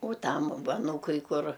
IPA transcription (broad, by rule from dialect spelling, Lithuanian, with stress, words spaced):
oː ˈtɐm ˈʋɐ ɐˈnuːkʊɪ ˈkʊr